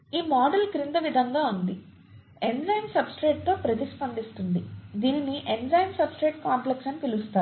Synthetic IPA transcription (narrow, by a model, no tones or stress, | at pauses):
iːmaːɖɐlkɾind̪ɐʋid̪ʱɐŋɡaːund̪i | eɳzɐjnsɐbsʈɾeːʈ̚t̪o̞ːpɾɐt̪ispɐnd̪ist̪und̪id̪iːniniʔeɳzɐjnsɐbsʈɾeːʈ̚kaːmpleksɐnpilust̪aːu